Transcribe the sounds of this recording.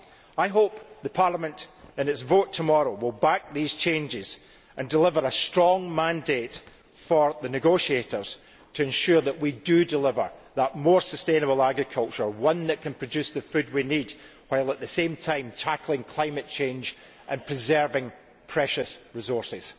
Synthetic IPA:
aɪɦop̚ðəpʰaɹlˠəmə̃nʔɪ̃nɪtsvoʔtʰəmɔɹowɪlˠbak̚ðiz̥t͡ʃʰẽnd͡ʒɪz̥ | ʔə̃ndɪlˠɪvə˞əstɹ̥ɔ̃ŋmãndeʔ | fə˞ðənɪɡoʃieʔə˞z̥ | tʰəɛ̃nʃʉɹðəʔwidədɪlˠɪvə˞ðəʔmɔɹsəstẽnəbəl̩ˠaɡɹɪkʰʌlˠt͡ʃə˞wʌ̃nðəʔkʰə̃npʰɹ̥əd͡ʒʉsðəfʉd̚winid | waɪlˠəʔðəsẽmtʰãɪ̃mtʰakʰl̩ˠɪ̃ŋkʰl̥ãɪ̃məʔt͡ʃʰẽnd͡ʒ | ʔə̃npʰɹ̥ɪzɜ˞vɪ̃ŋ | pʰɹ̥ɛʃəsɹɪzɔɹsɪz̥

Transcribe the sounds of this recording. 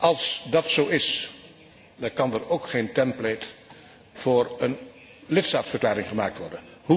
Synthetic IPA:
ʔɑlˠsdɑtsowɪs | dɑkɑndəɹowkχejntɛmplet | fʊːɹən | lɪtstaːtsfərklaːɾɪŋχəmaːk̚tʋɔɹdənhu

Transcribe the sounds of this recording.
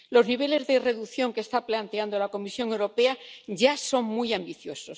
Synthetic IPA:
lo̞zniβ̞e̞le̞zðe̞re̞ðuθjo̞ŋkest̪aplant̪e̞and̪olako̞misjo̞ŋe̞wɾo̞pe̞aɟ͡ʝaso̞ŋmujambiθjo̞so̞s

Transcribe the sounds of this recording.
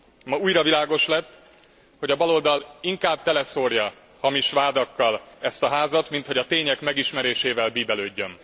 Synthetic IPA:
mɒuːjrɒvilaːɡo̞ʃlɛt̪ː | ho̞ɟɒbɒlo̞ld̪ɒliŋkaːb̚t̪ɛlɛso̞rjɒ | hɒmiʃʋaːd̪ɒkːɒlɛst̪ɒɦaːzɒt̪mint̪ho̞ɟɒt̪eːɲɛkmɛɡiʃmɛɾeːʃeːvɛlbiːbɛløːɟːøn

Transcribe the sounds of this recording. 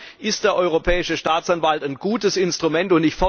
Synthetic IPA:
ʔɪst̚d̥eːɐʔɔʏʁ̞opʰɛːɪʃəʃtaːt͡sanvaltaɪnɡuːtəsɪnstʁ̥umɛntʊntnɪçtfɔ

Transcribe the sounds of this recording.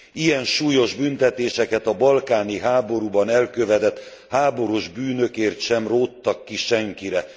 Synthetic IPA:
ijɛnʃuːjo̞ʒbynt̪ɛt̪eːʃɛkɛt̪ɒbɒlkaːniɦaːbo̞ɾuːbɒnɛlkøvɛd̪ɛt̪ | haːbo̞ɾuʒbyːnøkeːrt̪ʃɛmroːt̪ːɒkːiʃɛŋkiɾɛ

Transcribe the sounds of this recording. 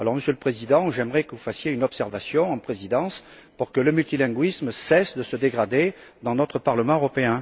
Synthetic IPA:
alɔʁməsjøləpχezid̪ɑ̃ʒɛməʁɛkəvufasjeynɔpsɛʁvasjɔ̃ɑ̃pχezid̪ɑ̃s | puʁkələmylt̪ilɛ̃ɡɥismsɛsd̪əsəd̪eɡʁad̪ed̪ɑ̃nɔt̪χəpaʁləmɑ̃øʁɔpeɛ̃

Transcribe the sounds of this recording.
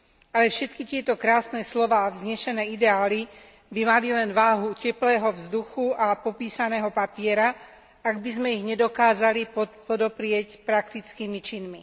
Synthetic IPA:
alɛfʃɛt̪kit̪ɪɛt̪ɔkɾaːsnɛːslɔʋaːvzɲɛʃɛnɛːid̪ɛaːli | bimalilɛnʋaːɦucɛplɛːɦɔvzd̪uxuapɔpiːsanɛːɦɔpapɪɛɾa | aɡbizmɛiɣɲɛd̪ɔkaːzalipɔpɔd̪ɔpɾɪɛcpɾakt̪it͡skiːmit͡ʃinmi

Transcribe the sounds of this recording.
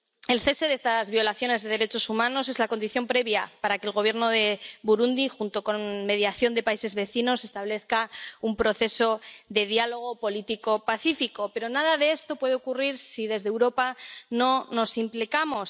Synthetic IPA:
e̞lθe̞se̞ðest̪azβjo̞laθjo̞ne̞zðe̞ð̞e̞ɾe̞t͡ʃo̞sumãno̞s̬e̞zlako̞nd̪iθjo̞mpɾe̞βjapaɾake̞lɣo̞βje̞ɾno̞ðe̞βuɾund̪ixunt̪o̞ko̞nme̞ð̞jaθjo̞nd̪e̞paise̞zβe̞θino̞se̞st̪aβle̞θkaumpɾo̞θe̞so̞ðe̞ðjalo̞ɣ̞o̞po̞lit̪iko̞paθifiko̞pe̞ɾo̞nað̞aðee̞st̪o̞pwe̞ð̞e̞okuriɾsiðe̞zðewɾo̞pano̞no̞simplikamo̞s

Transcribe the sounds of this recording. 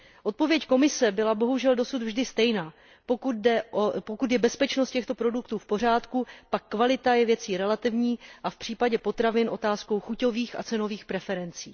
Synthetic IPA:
ʔo̞t̪̚po̞vjɛcko̞mɪsɛbɪlabo̞ɦuʒɛldo̞sud̪vʒdɪst̪ɛjnaː | pokudɛopokut̪̬jɛbɛspɛt͡ʃnost̪cɛxt̪o̞pɾo̞dukt̪uːfpo̞r̝aːt̪kupakːvalɪt̪ajɛvjɛt͡siːɾɛlat̪ɪvɲiːʔafpr̥iːpaɟɛpo̞t̪ɾavɪnʔo̞t̪aːsko̞wxuco̞viːxʔa̰t͡sɛno̞viːxpɾɛfɛɾɛnt͡siː

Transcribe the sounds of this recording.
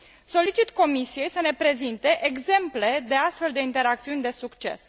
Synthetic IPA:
so̞lit͡ʃit̪ko̞misije̞jsəne̞pɾe̞zint̪e̞ʔeɡze̞mple̞d̪e̞ast̪fe̞ld̪e̞int̪e̞ɾak̚t̪siunʲd̪e̞sukt͡ʃe̞̰s

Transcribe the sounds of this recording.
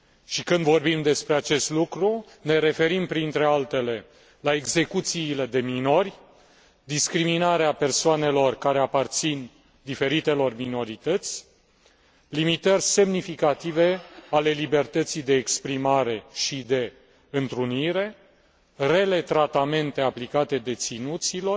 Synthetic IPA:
ʃikɨnd̪vo̞rbimd̪e̞spɾeat͡ʃe̞st̪lukɾu | ne̞ɾe̞fe̞ɾimpɾint̪ɾe̞alt̪e̞le̞ | laeɡze̞kut̪siːle̞d̪e̞mino̞rʲ | d̪iskɾiminaɾeape̞rsoane̞lo̞rkaɾe̞apart̪sin | d̪ife̞ɾit̪e̞lo̞rmino̞ɾit̪ət̪sʲ | limit̪ərʲse̞mnifikat̪ive̞ale̞libe̞rt̪ət̪sijd̪e̞ːkspɾimaɾe̞ʃid̪e̞ | ɨnt̪ɾuniɾe̞ | re̞let̪ɾat̪ame̞nt̪e̞aplikat̪e̞d̪e̞t̪sinut̪silo̞r

